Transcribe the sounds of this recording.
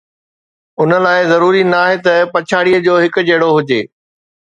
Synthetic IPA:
ʊnəlaːɪzɐɾuːɾinaːɦet̪ɐpɐt͡ɕʰaːɽijəd͡ʑoːɦɪkʊ̆d͡ʑeːɽoɦʊd͡ʑeː

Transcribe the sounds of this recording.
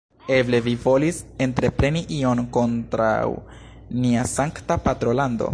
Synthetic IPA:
e̞ble̞vivo̞lise̞ntɾe̞pɾe̞niʔio̞nko̞ntɾa̰w | niasaŋktapatɾo̞lando̞̰

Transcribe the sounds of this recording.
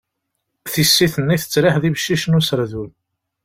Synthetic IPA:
θisːiθənːiθə̥t͡sːɾɪħðivəʃːiʃnusəɾðul

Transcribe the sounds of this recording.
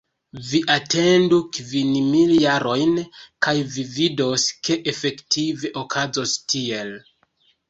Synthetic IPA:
viʔate̞ndukvinmiljaɾo̞jnkajvivido̞skeʔefe̞ktʰive̞ʔokʰazo̞stʰie̞l

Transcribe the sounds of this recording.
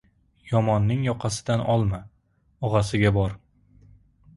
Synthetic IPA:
jɒmɒnːɪŋjɒqʰɑsɪ̥d̪anʔɒlˠma | ɒʁɑsɪɡʲabɒɾ

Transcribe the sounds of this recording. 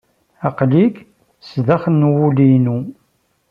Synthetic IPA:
ɑqliɡ | sðæχənːwulinu

